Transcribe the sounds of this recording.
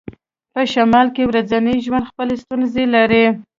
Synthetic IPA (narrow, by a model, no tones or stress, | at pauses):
pəʃamɑlkewɾazanəjʒwand̪xpəlest̪unzelaɾi